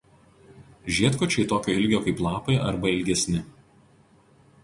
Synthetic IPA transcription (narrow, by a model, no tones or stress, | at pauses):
ʒʲiɛt̪kɔt͡ʃʲɛɪt̪oːkʲoːɪlʲɡʲoːkɐɪplˠɑːpɐɪʔɐ̰ɾbɐɪlʲɡʲɛsʲnʲɪ